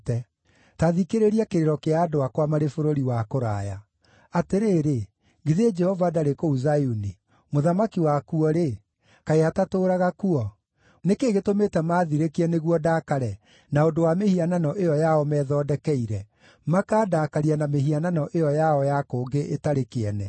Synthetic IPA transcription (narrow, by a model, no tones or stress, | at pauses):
tɛ | taðikeɾeɾiakeɾeɾɔkeaːdoakwamaɾefoɾoɾiwakoɾa̰ja̰ | ateɾeːɾe | ɡiðed͡ʒɛhɔvadaɾekouzajuni | moðamakiwakuɔɾe | kaeatatoːɾaɣakuɔ | nekeːɣetometɛmaːðiɾekiɛneɣuɔdaːkaɾɛ | naondowamehiananɔʔejɔjaɔmɛːðɔːdɛkɛiɾɛ | makaːdaːkaɾianameɦiananɔʔejɔjaɔjakoːɡeʔetaɾekeɛnɛ